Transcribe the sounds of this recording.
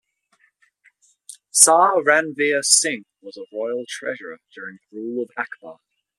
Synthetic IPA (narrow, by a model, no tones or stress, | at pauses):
sɑːɹãnviəsɪ̃ŋkwɒzəɹɔɪlˠtʰɹ̥ɛ̰ʒəɹəd͡ʒɔːɹɪ̃ŋɹuːləvakbɑːˑ